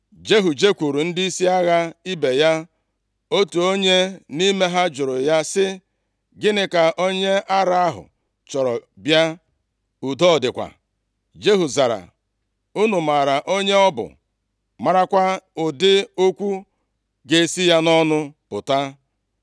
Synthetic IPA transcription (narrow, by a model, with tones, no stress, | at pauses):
d͡ʒe˦ɦu˨d͡ʒe˦kʷu˨ɾu˨n̩˦dɪ˦i˦si˦a˦ɣa˦i˦be˨ja˦ | o˦tu˨o˦ɲe˦ni˦me˦ɦa˦d͡ʒʊ˨ɾʊ˨ja˦sɪ˦ | ɡɪ˦nɪ˦ka˨ʔo˦ɲe˦ʔa˦ɾa˦a˦ɦʊ̰˨ | t͡ʃɔ˨ɾɔ˨bja˦ | u˨dɔ˦˨dɪ˨kʷa̰˨ | d͡ʒe˦ɦu˨za˨ɾa̰˨ | u˦nu˨ma˨ɾa˨ʔo˦ɲe˦ɔ˦bʊ̰˨ | ma˨ɾa˦kʷa˦ʊ˨dɪ˦o˦kʷu˦ | ɡe˨si˦ja˦nɔ˦nʊ˦pʊ˨ta˦